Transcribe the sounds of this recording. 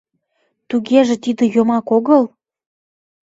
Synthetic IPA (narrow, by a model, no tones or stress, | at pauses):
t̪uɣeʒĕt̪id̪ə̆jŏmɑkoɣəl